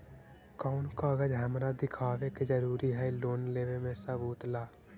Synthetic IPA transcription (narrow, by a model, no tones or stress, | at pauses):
kaːʊnkaːɡəd͡ʒɦəmɾad̪ɪkʰaːʋeked͡ʒəɾuːɾiɦɛloːnleːʋemẽsəbuːt̪laː